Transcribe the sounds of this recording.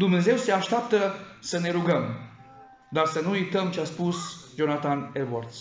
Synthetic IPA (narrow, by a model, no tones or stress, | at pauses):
d̪umne̞ze̞wseaʃt̪eap̚t̪əsəne̞ɾuɡəm | d̪arsənuujt̪əmt͡ʃeaspusd͡ʒonat̪anelvart̪s